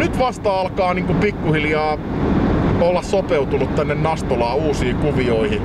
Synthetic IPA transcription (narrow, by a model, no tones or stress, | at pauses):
nyt̪ʋɑst̪ɑːɑlkɑːniːŋkupikːuhiljɑː | olːɑssopeut̪unut̪t̪ænːennɑst̪olɑːuːsiːkuʋioihi